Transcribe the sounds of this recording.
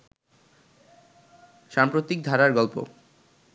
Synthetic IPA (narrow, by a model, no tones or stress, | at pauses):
ʃampɾot̪ik̚d̪ʱaɾaɾɡɔlpo̰